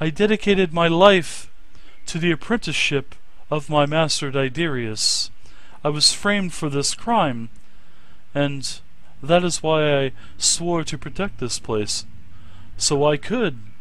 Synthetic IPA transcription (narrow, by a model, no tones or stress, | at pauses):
aɪdɛɾɨkʰeɪɾɨd̚maɪlaɪf | tʰɨðiɨpʰɹ̥ɛ̃ntɨʃɪp | ʌvmaɪmæstə˞ɾaɪdɪɹiɨs | aɪwʌz̥fɹẽɪ̃md̥fə˞ðɪskʰɹ̥ãɪ̃m | ɨ̃n | ðɨɾɨzwaɪaɪ | swɔɹɾɨpʰɹ̥ɨtʰɛk̚t̪̚ðɪspʰl̥eɪsː | oʊaɪkʰɨd̚